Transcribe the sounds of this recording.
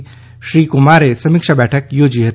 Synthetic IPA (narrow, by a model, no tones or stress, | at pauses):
ʃɾiːkʊmaːɾesɐmɪkʃabɛːʈʰəkjoːd͡ʒiɦɐt̪